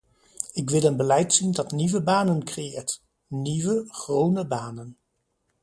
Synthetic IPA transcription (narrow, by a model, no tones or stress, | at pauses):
ɪk̬ʋɪlˠənbəlɛjtsindɑtniʋəbaːnənkrejɪːɹt | niʋəχrownəbaːnən